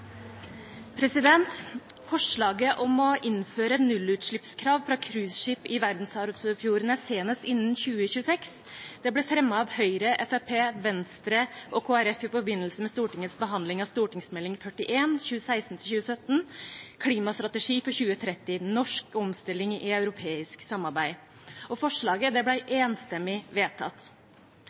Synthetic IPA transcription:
pʰɾɛsɪd̪ɛnt̪ | fɔʂɭɑːɡəʔɔmɔʔɪnføːɾəɛt̪nʉlʉːt̪ʂɭɪpskʰɾɑːʋfɾɑkʰɾʉːsʂɪpːɪʋæɾd̪n̩sɑɾsəfjuːɾənəseːnəst̪ɪnn̩çʉːəçʉːəsɛks | d̪̥ɛblɛfɾɛmːɑɑːʋhœʏɾəʔɛfɛpʰeːʋɛnst̪ɾəʔɔkʰoːæɾɛfɪpɔbɪnːəlsəmɛst̪uːʈɪŋːət̪sbəɦɑnd̪lɪŋɑst̪uːʈɪŋsmɛlːɪŋfœʈɪʔeːnçʉːəsæɪsn̩t̪ʰɪlçʉːəsœt̪nkʰɽiːmɑst̪ɾɑt̪əʂiːfɔɾçʉːət̪ʰɾɛt̪ːɪnɔʂkɔmst̪ɪlːɪŋɪɑʉɾʊpʰeːɪsksɑmɑɾbæɪ | ɔfɔʂɭɑːɡəd̪ɛblæɪʔeːnst̪ɛmːɪʋeːt̪ʰɑ̰t̪

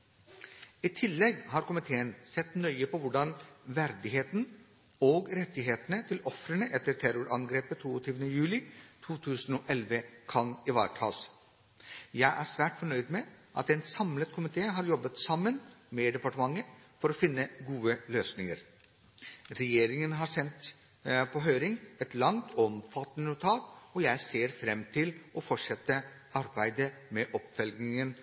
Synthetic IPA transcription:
iːt̪ʰɪlːɛɡhɑːɾkʊmɪt̪ʰeːənsɛt̪nœʏəpʰɔʋʊɖɑnʋæɾd̪ɪɦeːt̪n̩ | oːɡɾɛt̪ːɪɦeːt̪ənət̪ʰɪlɔfɾəɳəʔɛt̪ːəɾʈ̪ʰæɾʊɾɑnɡɾeːpət̪ʰuːɔt̪ʰyːʋənəjʉːlɪt̪ʰuːt̪ʰʉːsn̩oːʔɛlʋəkʰɑnɪʋɑ̰ːɾʈʰɑ̰ːs | jæɪʔæːsʋæːʈfɔɳœʏd̪mɛʔɑ̰t̪ɛnsɑmlət̪kʰʊmɪt̪ʰeːɦɑːɾjɔbːət̪sɑmːənmeːd̪ɛpɑʈəmɑŋːəfɔɾɔfɪnːəɡuːəløːsnɪŋəɾ | ɾɛjeːɾɪŋənɦɑːɾsɛnt̪ | pʰɔɦøːɾɪŋɛt̪lɑŋt̪ʰɔmfɑt̪ːənənʊt̪ʰɑːt̪ɔjæɪseːɾfɾɛmt̪ʰɪlʔɔfɔʂɛt̪ːə | ɑɾbæɪd̪əmɛʔɔpfɛlɡnɪŋən

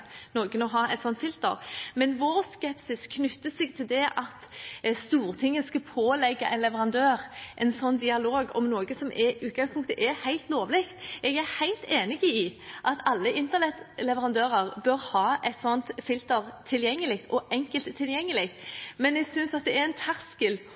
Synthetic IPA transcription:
noːɡənɔɦɑːɛt̪sɔnt̪fɪlt̪ə̰ɾmɛnʋoɾskɛpsɪskʰnʉt̪ːəsɛɡt̪ʰɪld̪ɛʔɑt̪st̪uːɾt̪ʰɪŋːəskɑpʰoːlɛɡːɑʔɛɪnlɛʋəɾɑnd̪øːɾʔɛnsɔnːd̪ɪɑloːɡɔ̰mnoːɡəsɔmʔɛʉːt̪̚ɡɑŋspʊŋkt̪əʔɛhæɪlt̪loːʋlɪkt̪ʔɛɡæhæɪlt̪ʰeːnɪɡɪʔɑt̪ɑlːəʔɪnt̪əʁnɛt̪lɛʋəɾɑnd̪øːɾəʁbœɾhɑːʔɛt̪sɔnt̪fɪlt̪əɾt̪ʰːɪljɛŋːəlɪk̚t̪ʰɔʔɛŋkəlt̪ʰːɪljɛŋːəlɪk̚t̪mɛnɛɡsʏnsɑt̪̚d̪ɛæɾɛnt̪ʰæɾskəl

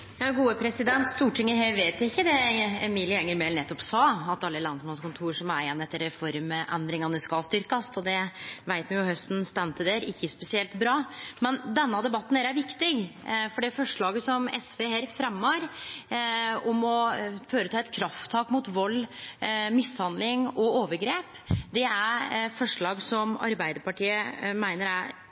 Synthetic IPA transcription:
jɑːɡuːəpʰɾɛsɪd̪ɛnt̪st̪uːʈʰɪŋːəɦeːʋeːt̪æɪçːəd̪ɛɛmiːlɪɛŋːəɾmɛːlnɛt̪ːɔpsɑːɑt̪ɑlːəlɑnsmɑnskʊnt̪ʰuːɾʂɔmæɾɛnːɛt̪ːəɾɛfɔɾməʔɛ̰nd̪ɾɪŋɑnəskɑlst̪ʏɾkɑst̪ɔd̪ɛʋæɪt̪mɛjʊhœst̪n̩st̪ɛnt̪ʰəd̪eːɾɪçːəspɛsɪɛlt̪bɾɑːmɛnd̪ɛnːɑd̪ɛbɑt̪ːn̩æɾæɾʋɪkt̪ɪɡfɔɖifɔʂɭɑːɡəsɔmɛ̰sʋeːheːɾfɾɛmːɑɾ | ɔmɔføːɾət̪ʰɑːɛt̪kʰɾɑft̪ʰːɑːkmut̪ʋɔlː | mɪshɑnd̪lɪŋɔoːʋəɾɡɾeːp | d̪ɛæɾfɔʂɭɑːɡsɔmɑ̰ɾbæɪd̪əɾpɑʈiːəmæɪnəɾæɪ

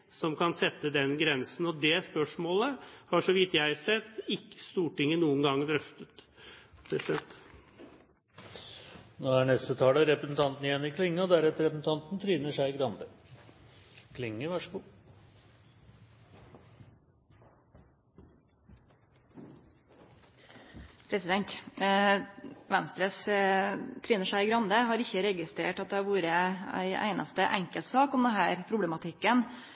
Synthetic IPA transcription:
sɔmkʰɑnsɛt̪ːəd̪ɛnɡɾɛnsn̩ɔd̪ɛspœʂmoːləhɑʂɔʋɪt̪ːjæɪsɛt̪ːɪkːə̥st̪uːʈɪŋːənuːənɡɑŋːd̪ɾœft̪ət̪d̪ɛsɛt̪ː | noːæɳɛst̪ət̪ʰɑːləɾɛpɾəsn̩t̪ʰɑnt̪n̩jɛnːɪkʰlɪŋːəɔd̪æɾɛt̪əɾɛpsn̩t̪ʰɑnt̪n̩t̪ʰɾyːnəʂæɪɡɾɑnd̪ə | kʰlɪŋːəʋæʂəɡuː | pʰɾɛsɪd̪ɛnt̪ | ʋɛnst̪ɾəs | t̪ʰɾyːnəʂæɪɪɡɾɑnd̪əɦɑɾɪçːəɾɛɡɪst̪ɾeːʈɑt̪̚d̪ɛɑʋuːɾəæ̰ɪæ̰ɪnʔɑ̰st̪əʔæŋkəlt̪sɑːkɔmd̪ɛnɦæːɾpʰɾʊblɛmɑt̪ʰɪkːən

